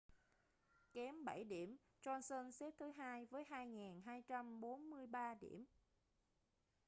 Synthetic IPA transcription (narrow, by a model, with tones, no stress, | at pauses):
kɛ˨˦mɓə˧˩jɗḭ˧˩əm | t͡ɕɔ˧nsə˧nsɛ˦˥t̚t̪ʰɨ˨˦ɦaː˧jvəː˨˦jɦaː˧jŋaː˨˩nɦaː˧jt͡ɕa˧mɓo˨˦nmɨ˧əjɓaː˧ɗḭ˧˩əm